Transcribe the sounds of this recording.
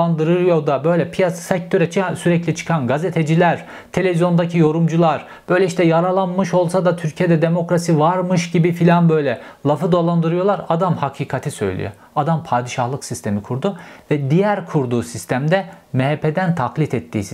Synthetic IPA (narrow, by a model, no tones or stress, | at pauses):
and̪ɯɾɯjod̪abø̞jlʲɛpʰijassɛc̚t̪ʰø̞ɾɛt͡ʃʰsyɾɛclʲit͡ʃʰɯ̥kʰanɡaze̞t̪ʰed͡ʒilʲæɾ | t̪ʰe̞lʲevizjo̞nd̪acijo̞ɾumd͡ʒulˠaɾ | b̥ø̞jlʲɛiʃt̪ʰɛjaɾalˠanmɯʃo̞lˠsad̪at̪ʰyɾcʰijed̪ɛd̪e̞mo̞kɾasivaɾmɯʃɟibifilʲanbø̞jlʲɛlˠafɯd̪o̞lˠand̪ɯɾɯjo̞lˠaɾad̪amhakʰiːkʰat̪ʰisø̞̰jlʲḭjo̰ | ad̪ampʰaːd̪iʃahlˠɯksist̪ʰe̞mikʰuɾd̪uvɛd̪ijæɾkʰuɾd̪uːsist̪ʰæmd̪ɛmɛɦɛpʰːed̪ænt̪ʰaklʲit̪ʰɛt̪ːḭːsi